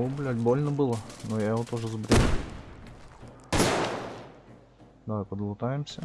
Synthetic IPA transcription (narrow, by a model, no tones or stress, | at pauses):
ʊblʲælʲbolʲnəbɨlˠənojaɪʋot̪oʐɨzbɾʲe | d̪ɐajpəd̪lˠʊt̪ajɪmsʲə